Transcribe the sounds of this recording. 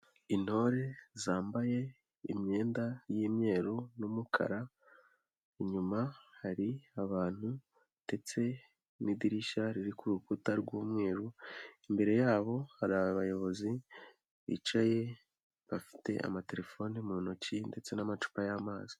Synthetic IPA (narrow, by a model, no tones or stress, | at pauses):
ino̞ɾezaːmbaje̞ | ḭmɲe̞ːndajiːmɲe̞ːɾunumukʰa̰ɾa | iɲumahaɾiaβaːn̥hu | d̥e̞t͡se̞ | nidiɾiʃaɾiɾikuɾukutaɾɡwuːmŋe̞ːɾuimbe̞ɾe̞jaːβo̞haɾaβaβajo̞βo̞zi | βḭt͡ʃaje̞ | βafi̥te̞̰ʔa̰mate̞ɾe̞fo̞nimuːnocinde̞t͡se̞namat͡ʃu̥pajamaːzi̥